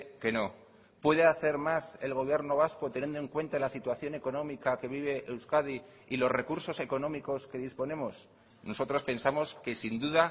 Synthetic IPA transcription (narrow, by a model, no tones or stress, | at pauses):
ke̞no̞ | pwe̞ðe̞aθe̞ɾmase̞lɣ̞o̞β̞je̞ɾno̞β̞asko̞t̪enjend̪oe̞ŋkwe̞nt̪alasit̪waθjo̞ne̞ko̞nõ̞mikake̞β̞iβ̞e̞ʔewskaði | ilo̞zre̞kuɾso̞se̞ko̞nõ̞miko̞ske̞ðispo̞nẽ̞mo̞s | no̞sot̪ɾo̞spe̞nsamo̞ske̞sind̪uða